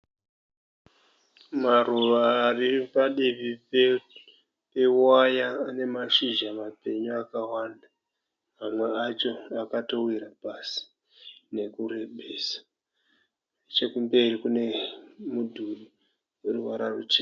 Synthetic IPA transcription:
maruʋaːripaɗeβi | pe̞wajaːne̞maʃiʒamape̞ɲuakawanda | mamwe̞at͡ʃo̞akato̞wiɾapasi̥ | ne̞kure̞ɓeːsḁ | et͡ʃe̞kumbe̞ɾikune̞mudʱuɗi | eruʋaɾarut͡ʃe

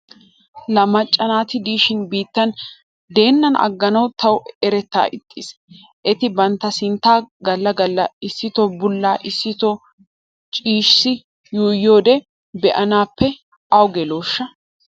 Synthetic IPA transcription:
lɐmɐt͡ʃʼːɐnaːt̪ɪd̪iːʃɪnbiːt̪ːɐn | d̪e̞ːnːɐnɐ̰ɡːɐnɐwt̪ʰɐwɛɾɛt̪ːa̰ːʔɪt̪ʼːḭːs | ʔɛt̪ɪbɐnt̪ːɐsɪnt̪aːɡɐlːɐɡɐlːɐɪsːɪt̪ɔbʊlːaːʔɪsːɪt̪ɔ | t͡ʃʼiːʃsɪ | juːjːo̞ːd̪ɛ | bɛʔɐnaːpːɛ | ʔɐwɡɛlo̞ːʃːɐ

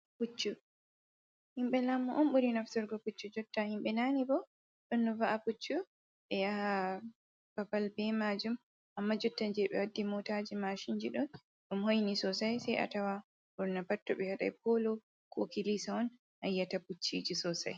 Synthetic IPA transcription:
put͡ʃːu | himɓɛlamːuʔɔmɓuɾinaftɔɾɡɔput͡ʃːud͡ʒɔtːahimɓɛnaːnibɔ | ɗɔnːɔvaʔaput͡ʃːu | ɓɛjaha | b̥abalbɛmad͡ʒum | ʔamːad͡ʒɔtːand͡ʒɛɓɛ̰wadːimɔtad͡ʒimaʃind͡ʒiɗɔn | ɗumhojnisɔsajsɛjʔa̰tawa | bɔɾnapatːɔɓɛhaɗa̰jp̚ɔlɔ | kʰokilisaɔn | hajːataput͡ʃːḭd͡ʒisɔsa̰j

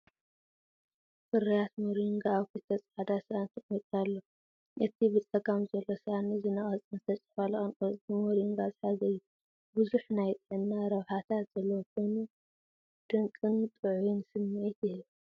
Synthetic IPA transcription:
fɨɾijat̪moɾiŋɡaːβkʰɨt̪ʰɐt͡sʼħad̪asʔant̪ʰɨkʼmɐt̪ʼalːo | ʔɨt̪ʰibɨt͡s̪ʼɐɡamzɐlːosɨanɨzɨnɐχʼɐt͡sʼɨnɨt̪ʰɐt͡sʼɨ̥falɐxʼɨnʼoimoɾiŋɡazħazɐjːu | buzuħnajt̪ʼʕɨnːaɾɐβħat̪ʰat̪z̥ɐlːɐwkʰojnu | d̪̥ɨŋkʼɨnt̪ʼɨʕujunsɨmːet̪jɪhɨβ

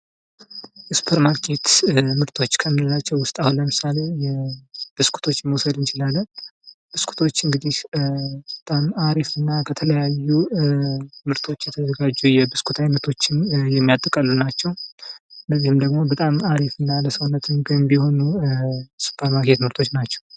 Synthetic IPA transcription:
ɛsu̥pʰəɾmakʰe̞t̪mɨɾt̪ʰo̞t͡ʃːkʰəmɨɨlat͡ʃːɛwwʊst̪ʼahunləmɨsale̞jɛb̥ɨskʰu̥t̪ʰo̞t͡ʃːməwsəd̪ɨnt͡ʃɪlalːənbɨskʰu̥t̪ʰo̞t͡ʃːɨŋɡɨd̪ihbət̪ʼamaɾifɨnːakʰət̪ʰələjajːu | mɨɾt̪ʰo̞t͡ʃːjɛt̪ʰəzəɡad͡ʒːujɛbɨskʰut̪ʰajnət̪ʰo̞t͡ʃːɪnjɛmːijat̪ʼːəkʼəlːunat͡ʃːɛw | ləzːihɨmd̪əɡmo̞bət̪ʼamaɾifɨnːaləsəwnːət̪ʰɨnɡɨmbiho̞nu | su̥pʰəɾmaɾke̞t̪mɨɾt̪ʰo̞t͡ʃːnat͡ʃːɛ̥w

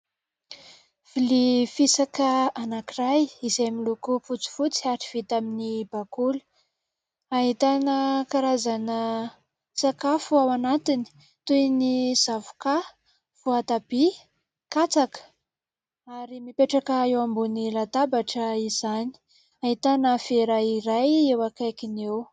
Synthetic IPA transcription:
v̥ilifisakəanakirajizejamilukuput͡su̥fut͡siaɾi̥v̥it̪aminibakulə̥ | aɦit̪anəkaɾazanə | sakafuawanat̪ini̥ | t̪ujniz̥avu̥ka | fuat̪ab̥i | kat͡sakə̥ | aɾimipeʈ͡ʂakəewambunilat̪abaʈ͡ʂəiz̥ani̥ | aɦit̪anəfeɾaiɾajewakajkʲinew

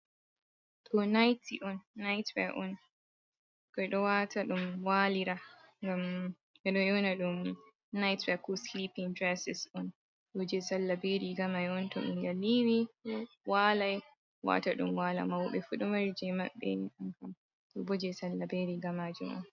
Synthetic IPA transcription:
tʰɔnajtiʔɔnːajtwɛʔɔn | kɔjɗɔwatʰaɗumwaliɾaŋɡam | ʔɛɗɔjɔnaɗum | najtwɛkɔslipiŋdɾɛsɛsɔn | bɔd͡ʒɛsalːabeɾiɡamajɔntɔɗṵmɡaliwi | walaj | wa̰taɗṵmwala̰mawɓɛfuɗɔmaɾd͡ʒɛma̰ɓːɛ̰nʔamkam | tɔbɔd͡ʒɛsalːabeɾiɡamad͡ʒumɔ̰n

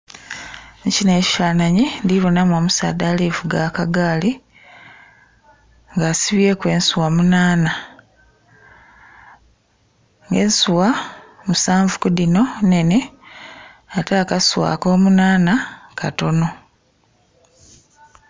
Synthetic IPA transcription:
ɲcineːci̥faːnaɲindiβonamwomusa̰ːdalivuɡakaɡaːli | ŋɡaːsiβjekwe̞ːnsuwamunaːna | ŋɡe̞ːnsuwamusaːɱvukudino̞ne̞ne̞ | ataːkaswa̰ːko̞ːmunaːnakʰato̞no̞

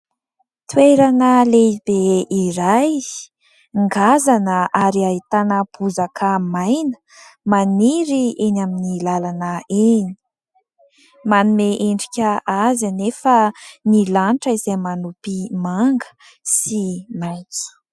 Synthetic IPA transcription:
t̪weɾanəleib̥eiɾaj | ŋɡazanəʔaɾiaɦit̪anəb̥uzakʰəmajnə | maniɾienaminilalanəeni̥i̥ | manumeʔeɳɖ͡ʐikʲəazanefənilanʈ͡ʂəizejmanupimaŋɡə̥ | simajt͡su̥

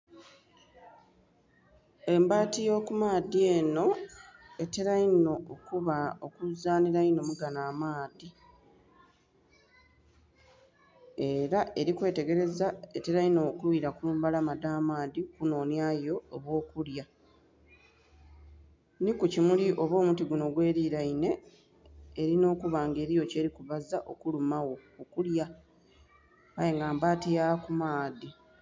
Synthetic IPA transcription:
e̞mbaːtijo̞ːkumaːdie̞ːno̞ | e̞teɾaino̞okuβao̞kuzaːniɾaino̞muɡanaːmaːdi | e̞ɾaʔe̞ɾikwe̞ːteɡe̞ɾe̞zae̞te̞ɾaino̞kulwiɾakuuːmbalamadaːmaːdikuno̞ːnjajo̞ːβwo̞ːkulja | nikucimuliʔo̞βo̞ːmutiɡuno̞ɡwe̞ːɾiːɾaine̞ː | ɾino̞ːkuβaːŋɡe̞ːɾijo̞ce̞ːɾikuβazaʔo̞kulumawo̞okulja | ajeŋɡaːmbaːtijakumaːdi

